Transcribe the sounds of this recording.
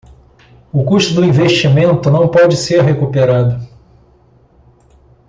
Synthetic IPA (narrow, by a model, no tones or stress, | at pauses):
ʊkuʃt̪ʊd̪ʊĩveʃt͡ʃimẽnt̪ʊnɐ̃w̃pɔd͡ʒɪseɾɦekupeɾad̪ʊ